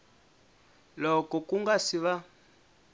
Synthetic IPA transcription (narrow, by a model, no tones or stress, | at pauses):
lɔkɔkuŋɡasiβa